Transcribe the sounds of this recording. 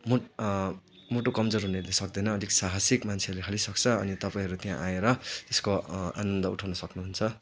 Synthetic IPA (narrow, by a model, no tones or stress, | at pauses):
mo | moʈokʌmd͡zoɾɦunelesʌkd̪ʌjnʌːd̪iksaɦasikmant͡sʰeʌɾlekʰʌlisʌk̚t͡sʰʌːnit̪ʌpaĩɦʌɾut̪ijã̰ʔaeɾʌt̪eskoa̰nʌnd̪ʌuʈʰawnʌsʌknuɦunt͡sʰʌ